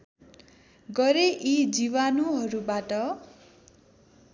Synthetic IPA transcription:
ɡʌɾeʔid͡ziβanuɦʌɾubaʈʌ

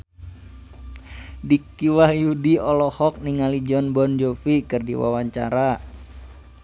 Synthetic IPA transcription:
dikiwahjudiɔlɔhɔk̚niŋalid͡ʒɔnbɔnd͡ʒofikɨrdiwa̰waɲt͡ʃa̰ɾa

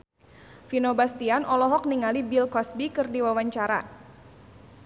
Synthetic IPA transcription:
finobast̪ianʔɔlɔɦɔk̚niŋalibilkɔsbikɨrdiwawaɲt͡ʃaɾa̰

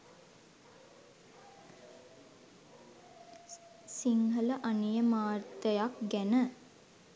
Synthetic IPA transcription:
siŋɦələʔanijəmaːrt̪əjakɡænə

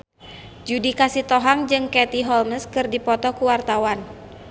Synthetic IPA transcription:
d͡ʒudikasit̪ɔɦaŋd͡ʒɨŋkɛt̪iɦɔlməskɨrdipɔt̪ɔkuwart̪awan

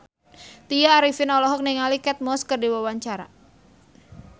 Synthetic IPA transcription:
t̪ijaːɾifɪnɔlɔɦɔk̚niŋalikɛt̪̚mɔskərdiwawaɲt͡ʃaɾa̰

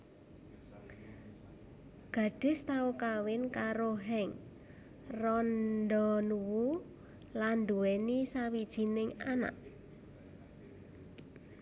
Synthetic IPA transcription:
ɡ̥a̤ɖ̥ɪ̤st̪aukawɪnkaɾoɦɛŋ | rɔnd̪ɔnuwu | land̪uwɛnisawid̥ʒ̥i̤nɪŋana̰ʔ

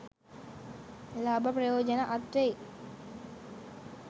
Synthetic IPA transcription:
laːbaprɐjoːd͡ʒanaʔat̪ɾej

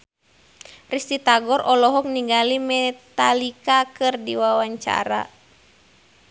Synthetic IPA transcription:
rist̪it̪aɡɔɾʔɔlɔɦɔk̚niɡalimɛt̪alikakɨrdiwawaɲt͡ʃa̰ɾa̰

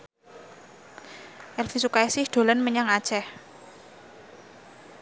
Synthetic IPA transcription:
ʔɛlfisukaɛsɪhd̪̥o̤lanməɲaŋḁt͡ʃɛh

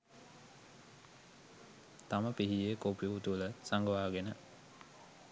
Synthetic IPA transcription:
t̪aməpiɦiekopijuut̪uləsaŋɡəʋaːɡenə

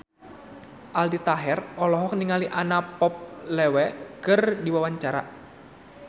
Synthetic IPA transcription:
ʔaldit̪aɦɛrɔlɔɦɔk̚niŋaliʔanapɔp̚lɛwɛkɨrdiwawaɲt͡ʃaɾa̰

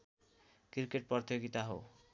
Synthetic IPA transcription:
kiɾkeʈ̚pʌrt̪joɡit̪aɦo̰

